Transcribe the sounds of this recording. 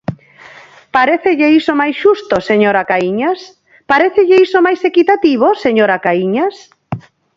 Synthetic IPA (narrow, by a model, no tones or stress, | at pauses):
paɾeθeʎeisomajsʃust̪oseɲoɾakaiɲas | paɾeθeʎeisomajsekit̪at̪iβ̞oseɲoɾakaiɲas